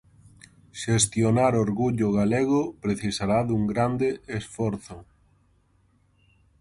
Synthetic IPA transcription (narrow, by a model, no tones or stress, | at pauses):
ʃest̪jonaɾoɾɣuʎʊɣaleɣʊpɾeθisaɾaðuŋɡɾand̪eʔesfɔɾθʊ